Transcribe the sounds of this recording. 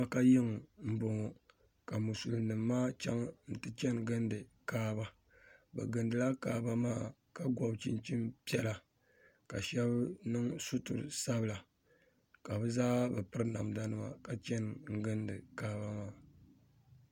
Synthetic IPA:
a˦ka˦jɪ˦ŋ˨m̩˦bo˨ŋo˨ | ka˨mu˨su˨lnɨ˨mːaː˦t͡ʃa̰˦ŋn̩˦tɨ˦t͡ʃɛ˦nɡɨ˦ndɨ˨kaː˦ba˦ | bɛ̰˨ɡɨ˨ndɨ˨la˦kaː˦ba˦maː˦˨ | ka˨ɡwɔ˨bt͡ʃi˦nt͡ʃi˦mpi˦ɛ˦la˨ | ka̰˨ʃɛ˦bnɨ˦ŋsu˦tʊ̰˨ɾɨ˨sa˦bɨ˨la˨ | ka˨bɛ˦zaː˦bɛ˨pɨ˦ɾɨ˦na˨m˨da˦nɨ˨ma̰˨ka˨t͡ʃɛ˦nŋ̩˦ɡɨ˦ndɨ˨kaː˦ba˦maː˦˨

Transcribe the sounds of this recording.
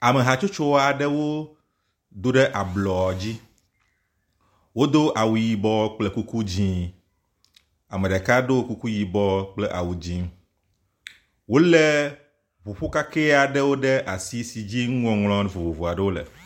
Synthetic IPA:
a˨me˨ɦa˨t͡ʃo˦t͡ʃo˦wa˨ɖɛ˦wo˦ | d̪o˦ɖɛ˦ʔa˨blɔ˨ɔ˨d͡ʑi˦ | wo˦d̪o˦ʔa˨wu˨ji˨bɔ˦k͡plɛ˦ku˦ku˦d͡ʑĩ˦ | a˨mẽ˨ɖa˨ka˦ɖo˦wo˦ku˦ku˦ji˨bɔ˦k͡plɛ˦ʔa̰˨wu˨d͡ʑĩ˦ | wo˦lɛ˦ | βu˨ɸo˦ka˦ke˦a˨ɖɛ˦wo˦ɖe˦ʔa˨si˦si˨d͡ʑi˦ŋ˦ɔ̃˨ŋlɔ̃˦˨vo˨vo˨vo˨a˨ɖe˦wo˦lɛ̰˨

